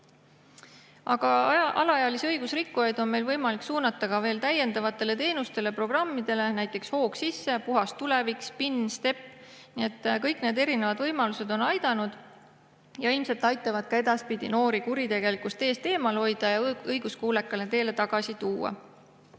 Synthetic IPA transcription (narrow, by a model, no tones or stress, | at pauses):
ɑɡ̥ɑɑ̰lɑɑjɑliseɤjɡ̥usrikːujɑjd̪̥o̞nme̞jlvɤjmɑliksuːnɑt̪ːˑɑɡɑve̞ːlt̪æje̞nd̪̥ɑvɑt̪ːˑe̞le̞t̪e̞ːnust̪e̞le̞pro̞ɡ̥rɑmːid̪̥e̞le̞næjt̪ːˑe̞ksho̞ːksisːe̞puɦɑst̪ːule̞vikspinːst̪e̞pːnie̞t̪ːˑkɤjkne̞ːd̪e̞ɾine̞vɑd̪vɤjmɑluse̞d̪̥o̞nɑjd̪ɑnud̪̥ | jɑilmse̞lt̪ːˑɑjt̪ːˑɑvɑd̪̥̚kɑe̞d̪̥ɑspid̪̥ʲḭno̞ːɾikuɾit̪e̞ɡ̥e̞likust̪e̞ːst̪e̞ːmɑlho̞jd̪̥ɑjɑɤjɡ̥uskuːlekːˑɑlet̪e̞ːle̞t̪ɑɡ̥ɑsit̪uːɑ̰